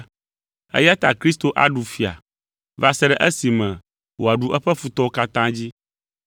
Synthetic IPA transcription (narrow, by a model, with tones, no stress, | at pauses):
ɛ̰˦ja˦t̪a̰˨kɾi˦st̪o˦ʔa̰˦ɖu˨fi˨a̰˨ | va˨sɛ˦ɖɛ˦ʔɛ˦si˨mɛ̃˨ | wʔo˨a˨ɖu˨˦ʔɛ˦ɸɛ˦fu˨t̪ɔ˦o˦ka˦t̪ã˦d͡ʑi˦